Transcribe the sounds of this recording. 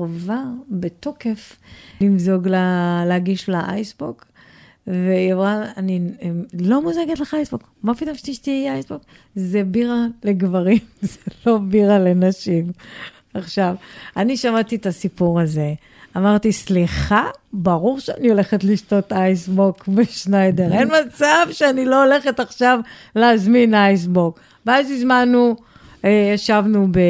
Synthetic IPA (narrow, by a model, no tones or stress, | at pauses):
vabeto̞ke̞flimzo̞ɡlaleaɡiʃlaʔajsbok | veavʁaanilo̞muzeɡet̪leχajsbok | mapit̪omʃiʃtiajsbok | zebiʁale̞ɡvaʁimzelo̞biʁale̞naʃim | aχʃavaniʃamatitasipuʁaze̞ | amaʁt̪isliχabaʁuʁʃeanio̞le̞χetliʃto̞tajsbokbeʃnajdeʁenmat͡savʃeanilo̞ole̞χetaχʃavleazminajs̬bok | veazizmanu | ejaʃavnube